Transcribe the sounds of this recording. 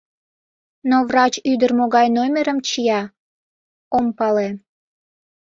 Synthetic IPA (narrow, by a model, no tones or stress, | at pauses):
novrɑt͡ɕyd̪ərmoɣɑjnomʲeɾəmt͡ɕijɑ | ompɑle